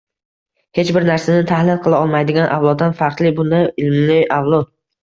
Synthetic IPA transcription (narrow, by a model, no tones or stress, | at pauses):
het͡ʃbɪɾnaɾsanɪt̪ʰahlɪnqʰɨlˠaɒlˠmajd̪ɪɡʲanʔa̰wlˠɒd̪̚d̪anfɑɾq̪lˠɪbʊnd̪ajɪlmlɪjawlˠɒd̪